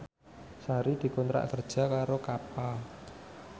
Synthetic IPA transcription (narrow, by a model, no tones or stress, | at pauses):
saɾid̪̥i̤kɔnt̪ɾa̰ʔkərd̥ʒ̥a̤kaɾokapa